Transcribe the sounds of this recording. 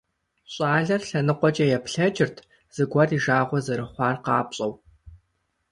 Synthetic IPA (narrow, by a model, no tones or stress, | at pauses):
ɕʼaːɮɐrɬɐnɨqʷɔt͡ʃʼɐjɛpɬɐd͡ʒɪrtʰ | z̥ɨɡʷɐriʒaːʁʷɔzɨɾɨχʷɑːrqɑːpɕʼɐw